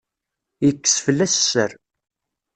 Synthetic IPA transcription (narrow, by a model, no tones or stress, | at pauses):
jəkːə̥sfəlːæsːə̰ɾ